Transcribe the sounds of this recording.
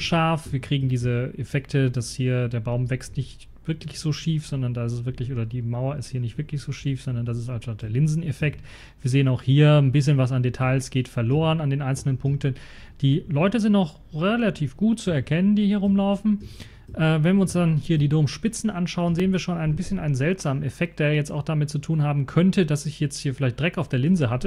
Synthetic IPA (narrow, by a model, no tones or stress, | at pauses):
ʃaɐfv̥iːɐkʁ̥iːɡŋ̩diːzəʔefɛktʰədashiːɐdeːɐbaʊmvɛkstnɪçt | v̥ɪɐklɪçz̥oːʃiːfz̥ɔndɐndaːɪs̬sv̥ɪɐklɪçʔoːdɐdiːmaʊɐɪsthiːɐnɪçtv̥ɪɐklɪçz̥oːʃiːfz̥ɔndɐndas̬ɪstanʃtat̚d̥eːɐlɪnzn̩efɛkt | viːɐzeːənaʊxhiːɐnbɪs̬çənvas̬andetʰaɪlsɡ̥eːtfɛɐloːʁənandeːnʔaɪnsl̩nənpʰʊŋk̚tən̩ | d̥iːlɔʏtəzɪntnɔχ | ʁelatʰiːfɡ̥uːtt͡suɛɐkʰɛnəndiːhiːɐʁʊmlaʊfn̩ | ʔɛːvɛnviːɐʊnsd̥anhiːɐdiːdoːmʃpɪt͡sn̩ʔanʃaʊənzeːənviːɐʃoːnʔaɪnənbɪsçənʔa̰ɪnənzɛltz̥aːmənɛfɛk̚t̚d̥eːɐjɛt͡sta̰ʊxd̥amɪt̚t͡sutʰuːnhaːbm̩kʰœntədasɪçjɛt͡sthiːɐfɪlaɪçtd̥ʁɛkaʊfd̥eːɐlɪnzəɦatə